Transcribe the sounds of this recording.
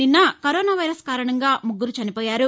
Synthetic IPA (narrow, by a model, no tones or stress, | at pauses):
ninːɐkɐɾɔːnaːʋɐjɾɐskaːɾɐɳɐŋɡaːmuɡːuɾut͡ʃɐnipɔːjaːɾu